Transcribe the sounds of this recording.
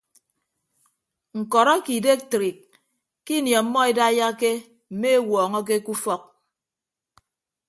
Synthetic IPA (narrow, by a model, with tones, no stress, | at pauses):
ŋ̩˨kɔ˨ɾɔ˦ki˨de˦k̚tɾi˨k̚ | kːi˦njɔ˨˦mːɔ˦e˦da˦ja˦ke˦ | m̩˨me˦e˦wɔː˨ŋɔ˦k̬e˦ku˦fɔ˦k̚